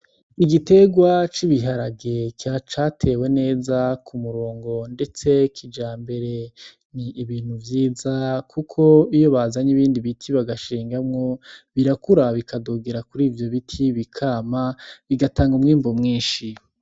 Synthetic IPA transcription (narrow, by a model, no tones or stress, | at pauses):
iɡite̞ɡwat͡ʃiβiɦaɾaɡekat͡ʃatʰe̞we̞ne̞ːzakʰumuɾoːŋɡo̞nde̞t͡se̞kʰid͡ʒaːmbe̞ɾe̞ | niːβiːn̥huvjiːzakʰukʰo̞ijo̞βaːzaɲiβiːndiβitʰiβaɡaʃiːŋɡamŋoβiɾakuɾaβikadoɡeɾakuɾiːvjo̞βitʰiβikʰaːmaβiɡataːŋɡumŋiːmbomŋiːnʃi